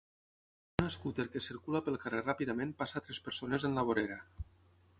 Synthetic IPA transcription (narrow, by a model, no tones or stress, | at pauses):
unaskut̪eɾkesiɾkulapelˠkarerapiðamẽnpasat̪ɾespeɾsonezenlaβoɾeɾa